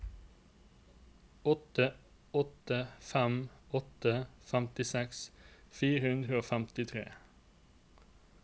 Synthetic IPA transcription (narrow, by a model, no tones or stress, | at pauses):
ɔt̪ə | ɔt̪əfæmɔt̪əfæmt̪ɪsɛksfiːʁəʉnd̪ʁəoːfæmt̪ɪt̪ʰʁḛː